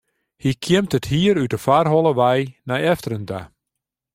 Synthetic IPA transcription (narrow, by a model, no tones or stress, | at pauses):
hikʰjɪmtəthiːəɾytəfarɦɔlˠəʋɛjnajɛftərənda̰